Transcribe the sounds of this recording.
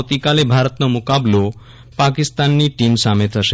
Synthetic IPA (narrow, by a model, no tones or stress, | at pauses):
t̪ikalebʱaɾot̪nomukablo | pakist̪anːiʈimsamet̪aʃe